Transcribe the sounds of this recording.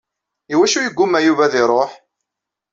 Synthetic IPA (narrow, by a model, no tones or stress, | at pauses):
iwæʃujəɡʷːʊmːæjuvæðɪɾˤoħ